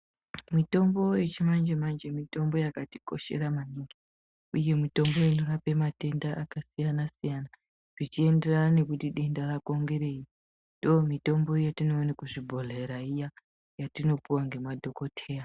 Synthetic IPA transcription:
mito̞mbo̞jet͡ʃimand͡ʒemand͡ʒe̞mito̞mbo̞jakati̥ko̞̰ʃe̞̰ɾamaɲiŋɡi | uje̞mito̞mbo̞inorape̞mate̞ndaʔakasijanasijana | ʐ̥it͡ʃie̞nde̞ranane̞kutiɗe̞ndarako̞ŋɡe̞ɾe̞i | ndomito̞mbo̞jatinoːnekuʐibʱo̞ɮe̞ɾaija | jatino̞puwaŋɡe̞madʱo̞ko̞tʰe̞ːja

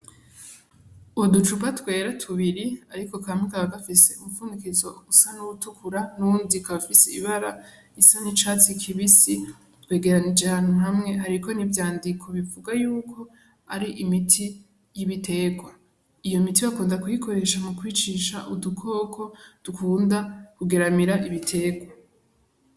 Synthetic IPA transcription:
udut͡ʃupatwe̞ːɾatʰuβiɾiaɾiko̞kamikaβaɡafise̞umufuːndikizousanuutukʰuɾanuuːndikaβafiseiβaɾa | isanit͡ʃaːt͡sikʰiβisi | twe̞ːɡe̞ɾanid͡ʒehaːnhuɦamŋe̞haɾikʰo̞nivjaːndikʰo̞βivuɡajuːkʰo̞ | aɾiʔimitʰi | jiβite̞ːɡwa | ijo̞mitiβakuːndakujikʰo̞ɾe̞ʃamukwiːt͡ʃiʃaʔudukʰo̞ːkʰo̞d̥ukʰuːndakuɡe̞ɾamiɾaʔiβitʰe̞ːɡwa

